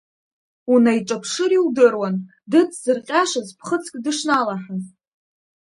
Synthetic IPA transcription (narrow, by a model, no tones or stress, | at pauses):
unajʈ͡ʂʼapʰʂɨɾiwdɨrwan | dɨt͡sʰz̥ɨrqʲʼaʂazpʰχət͡sʰkʲʼdɨʂnalaħazʼ